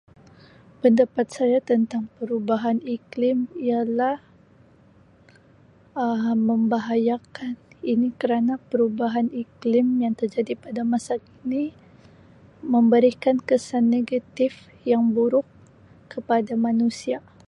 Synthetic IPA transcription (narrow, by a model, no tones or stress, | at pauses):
pəndapat̪̚sajat̪ənt̪aŋpəɾubaɦaniklɪmialah | əməmbaɦajakaninikəɾanapəɾubaɦaniklɪmjaŋt̪ərd͡ʒadipadamasakini | məmbəɾikankəsanːeɡat̪ɪf | jaŋbuɾʊkː | əpadamanusia